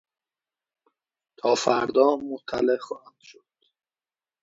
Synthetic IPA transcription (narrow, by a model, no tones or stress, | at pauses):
t̪ʰɒːfæɾd̪ɒːmot̪ʰːælexɒːhænd̪̥ʃod̪̥